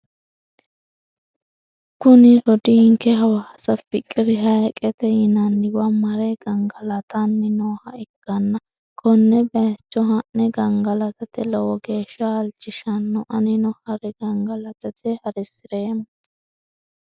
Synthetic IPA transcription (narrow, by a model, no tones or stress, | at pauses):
kʊnɪɾɔd̪iŋkɛɦɐwɐɐsɐpɪkʼːɪɾɪɦɐjkʼɛt̪ɛjɪnɐnːɪwɐmɐɾɛɡ̥ɐŋɡɐlɐt̪ʰɐnːɪnoːhɐɪkːɐnːɐ | kʰɔnːɛbɛt͡ʃːɔɦɐʔnɛɡɐŋɡɐlɐt̪ɐt̪ɛlɔwɔɡeːʃːɐːlt͡ʃːɪʃɐnːɔʔɐnɪnɔhɐɾɛɡɐŋɡɐlɐt̪ɐt̪ɛhɐɾɛsɪɾeːm